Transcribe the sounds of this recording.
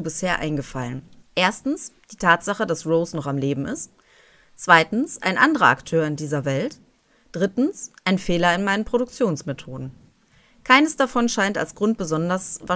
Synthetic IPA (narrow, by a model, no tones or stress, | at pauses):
bɪsheːɐʔa̰ɪnɡəfalənʔeːɐstn̩sd̥iːtʰaːtz̥aχəd̥asʁoʊsnɔχamleːbm̩ɪst | t͡sv̥aɪtn̩sʔa̰ɪnʔandəʁɐa̰ktʰøːɐɪndiːzɐvɛlt | d̥ʁɪtn̩sʔaɪnfeːlɐɪnmaɪnənpʁ̥oɾʊk̚t͡sjoːnsmetʰoːdn̩ | kʰaɪnəsd̥afɔnʃaɪnta̰lsɡ̥ʁʊnt̚b̥əzɔndɐsva